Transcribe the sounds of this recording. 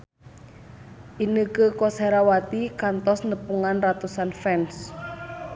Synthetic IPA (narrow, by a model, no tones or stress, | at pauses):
ʔinəkəkɔseɾawat̪ikant̪ɔsnəpuŋanrat̪usanfɛns